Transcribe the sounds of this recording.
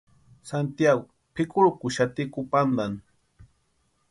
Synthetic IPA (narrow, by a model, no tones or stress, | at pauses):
sant̪jaɡʊ | pʰɪkʊɾkʊʃat̪ɪkʊpand̪an